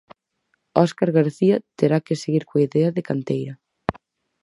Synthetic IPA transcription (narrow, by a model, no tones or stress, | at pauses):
ɔskaɾɣaɾθiɐt̪eɾakeseɣiɾkoiðɛɐðekant̪ejɾɐ